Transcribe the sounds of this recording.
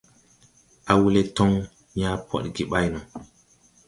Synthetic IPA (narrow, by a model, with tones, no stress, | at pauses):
ʔa˨wu˦le˦to˦ŋ | ɲa˦pʰo̰˦˨ɗɡi˨ɓa˦jna˨